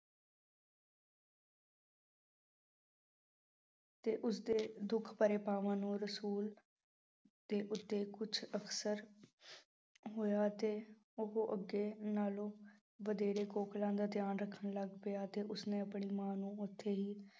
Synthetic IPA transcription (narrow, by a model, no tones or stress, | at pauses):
t̪eːʔʊsd̪eːd̪ʊkʰpəɾeːpaːʋãːnũːɾəsuːl | d̪̥eːʔʊt̪ːeːkʊt͡ʃʰəksəɾ | ɦoːjaːt̪eː | ʊɦoʔəɡeːnaːlõː | ʋəd̪eːɾeːkoːklãːd̪aːt̪ɪjaːnɾəkʰːəɳləɡpɪjaːt̪eːʊsnẽːəpɳiːmãːnũːʊt̪ʰːeːɦiː